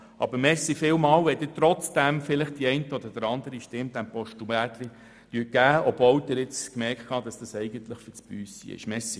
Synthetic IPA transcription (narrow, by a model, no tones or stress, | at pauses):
ʔɑ̰bəɾmɛsifɪlmɑːwʋɛd̥ɪtɾɔt͡sd̥æmfɪlɪχtd̥iɛɪntəɔd̪əd̥əɾɑnd̪əɾiʃtɪmd̥̪ænpɔʃtumætli | d̥yəɡ̥æːɔb̥vɔld̪ɪɾɪt͡skmɛɾktkʰɑːd̥̪ɑsd̪̥ɑsɛɪɡənt̪ləχfɪt͡spyːsḭɪ̰ʃmɛsi